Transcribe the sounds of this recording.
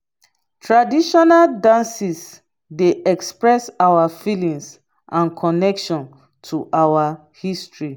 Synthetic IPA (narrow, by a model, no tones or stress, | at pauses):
tʰɹadiʃɔnaldãnsis | deʔɛkspɹɛsawafilĩŋs | ʔãnkʰɔnɛkʃɔ̃n | tʰuʔawa | histɹi